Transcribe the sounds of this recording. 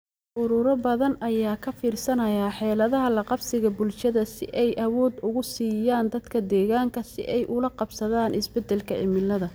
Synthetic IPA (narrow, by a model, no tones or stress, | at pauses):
ʔʊɾʊɾɔbɐðɐnɐjaːkʰɐfiːrsɐnɐjaːħɛːlɐðɐɦɐlɐqɑbsɪɣɐbʊlʃɐðɐsɪʔɛjʔɐwɔːd̪ʊɣʊsiːjaːnd̪ɐd̪̥kʰɐd̪ɛːɣaːŋkʰɐsɪ̰ʔɛjʔʊlɐqɑbsɐðaːnʔɪsbɛd̪ːɛlkʰɐʔɪ̰mɪlːɐðɐ